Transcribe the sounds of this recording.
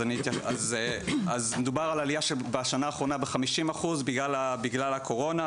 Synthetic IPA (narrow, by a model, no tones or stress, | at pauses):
anit̪aazeazmed̪ubaʁalalijaʃebaʃanaːχʁo̞nabeχamiʃimaχuzbiɡlalabiɡlalakʰo̞ʁo̞na